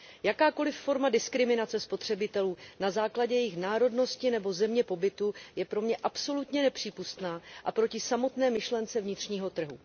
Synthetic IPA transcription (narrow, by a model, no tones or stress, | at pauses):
jakaːko̞lɪfːo̞ɾmadɪskɾɪmɪnat͡sɛspo̞t̪r̝̥ɛbɪt̪ɛluːnazaːklaɟɛjɛjɪxnaːɾo̞dno̞scɪnɛbo̞zɛmɲɛpo̞bɪt̪ujɛpɾo̞mɲɛʔapso̞lut̪ɲɛnɛpr̝̥iːpust̪naːʔapɾo̞cɪsamo̞t̪nɛːmɪʃlɛnt͡sɛvɲɪt̪r̝̥ɲiːɦo̞t̪r̩ɦṵ